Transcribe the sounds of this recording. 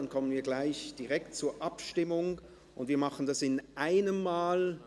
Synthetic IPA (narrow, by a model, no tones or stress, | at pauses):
nkʰɔmənviːɐɡlaɪçd̥iʁɛk̚t̚t͡suːɐʔapʃtɪmʊŋ | ʔʊndviːɐmaχən̩dasɪnʔaɪnəmːaːl